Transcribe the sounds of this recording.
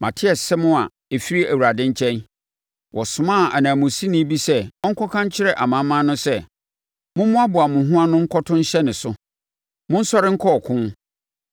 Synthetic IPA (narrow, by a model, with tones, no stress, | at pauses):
ma̰˨tʰɪ˦ɛ˨ssɛ˦mʊ̃˦a˨ | e˨fi˦ɾi˦æ˨wu˨ɾa˨dɪ̃˦ɲ̩˦t͡ɕʰɛ̃˦n | wɔ˨sʊ̃˨mã˦˨a˨nãː˨mʊ̃˨si˦nĩ˦bi˦sɛ˦ɔ˦ŋ̩˦kʰɔ˦kʰã˦ɲ˦t͡ɕʰɪ˦ɾɛ˦ʔa˨mã˨mːã˦nʊ̃˦sɛ˦˨ | mʊ̃˦mʊ̃˦a˦bʊ˨a˨mʊ̃˨ɦʊ̃˦ã˦nʊ̃˦ŋ̩˦kʰɔ˦tʰʊ̃˦ɲ̩˦ɕɛ˦nɪ̃˨sʊ˦ | mʊ̃˦n̩˦sɔ˦ɾɪ˦ŋ̩˦kʰɔ˦˨kʰʊ̃˦n